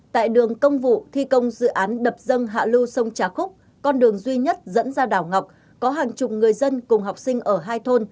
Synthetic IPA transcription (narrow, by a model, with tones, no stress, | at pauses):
t̪a̰ː˧˨jɗɨ˨˩əŋkə˧wŋ͡mvṵ˧˨t̪ʰi˧kə˧wŋ͡mzɨ̰˧˨ʔaː˨˦nɗə˨˩p̚zə˧ŋɦa̰ː˧˨lu˧sə˧wŋ͡mt͡ɕaː˨˧˩xʊ˦˥k͡p̚ | kɔ˧nɗɨ˨˩əŋzwi˧ɲə˦˥t̚zə̰˧˥nzaː˧ɗaː˧˩wŋa˨˩wk͡p̚ | kɔ˨˦ɦaː˨˩ŋt͡ɕʊ˨˩k͡p̚ŋɨ˨˩əjzə˧nkʊ˨˩ŋ͡mɦa˨˩wk͡p̚sï˧ŋ̟ʔəː˧˩ɦaː˧jt̪ʰo˧n